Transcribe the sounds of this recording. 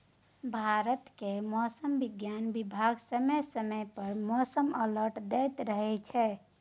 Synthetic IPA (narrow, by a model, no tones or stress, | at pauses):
bʱaɾət̪kemɔsəmbiɡjanbibʱaɡsəməsəməjpəɾmɔsəmələɾʈd̪et̪ɾəɦɛt͡ʃʰɛ